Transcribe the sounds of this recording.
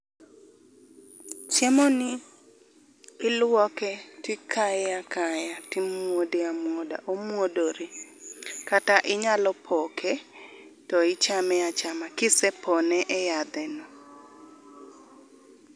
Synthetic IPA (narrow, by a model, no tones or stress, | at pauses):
t͡ʃemonɪ | ɪlwɔkɛtɪkʰajakʰajatɪmwodeamwoda̰ʔomwodoɾi | kataʔɪɲalɔpʰɔkʰɛ | tɔɪt͡ʃamɛat͡ʃamakɪsɛpʰɔnɛʔɛjad̪ɛnɔ